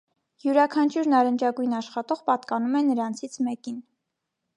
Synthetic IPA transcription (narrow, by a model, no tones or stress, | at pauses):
juɾɑkʰɑnt͡ʃʰuɾnɑɾənt͡ʃɑɡujinɑʃχɑt̪ɔʁpɑt̪kɑnumɛnəɾɑnt͡sʰit͡sʰmɛkin